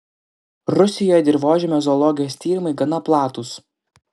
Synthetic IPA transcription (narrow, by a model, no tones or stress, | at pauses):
ɾʊsʲɪjoːjɛd̪ʲɪɾʋoːʒʲɛmʲɛzɔlˠɔɡʲɪjoːsʲt̪ʲiːɾʲɪmɐɪɡɐnɐplˠɑːt̪ʊs